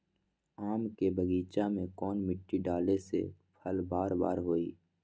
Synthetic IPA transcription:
aːmkebʱəɡiːt͡ʃamẽkɔːnmɪʈːiɖaːlesḛpʰəlbaːɾba̰ːɾɦoːiː

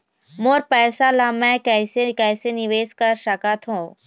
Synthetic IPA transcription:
moːɾpɛːsalamɛ̃kɛːsekɛːsenɪʋeːskəɾʃəkət̪ɦũː

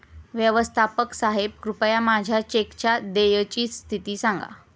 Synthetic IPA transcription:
ʋjəʋəst̪ʰapəksaɦeb̚kɾupəjamad͡ʑʱjat͡ɕekt͡ɕad̪ejət͡ɕiːst̪ʰit̪iːsãŋɡa̰

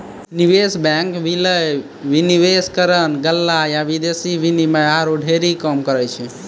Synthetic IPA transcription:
niʋesbɛŋkʋiləj | ʋiniʋeskəɾənɡəlːajabid̪esiʋinimeaɾoɖʱeɾikəmkəɾɛt͡ʃʰɛ

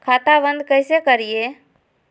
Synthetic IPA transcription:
kʰaːt̪abə̃nd̪kəɪsekəɾie

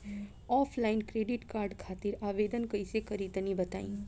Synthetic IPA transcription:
ɔːpʰlaːɪnkɾeːɖɪʈkaːɾɖkʰaːt̪ɪɾaːʋeːd̪ənkɐisekəɾit̪ənĩbɐt̪a̰ːḭ̃ː

